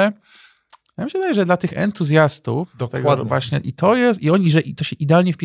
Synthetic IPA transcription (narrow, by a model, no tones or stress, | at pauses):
jamɕɛvɘd̪ajɛʐɛd̪lat̪ɘxɛ̰nt̪uzʲjast̪ṵfd̪ɔt̪ɛɡvwaɕɲɛʔit̪ʰɔjɛst̪iɔɲiʐɛʔit̪ɔɕɛʔid̪ɛalɲɛfpʲi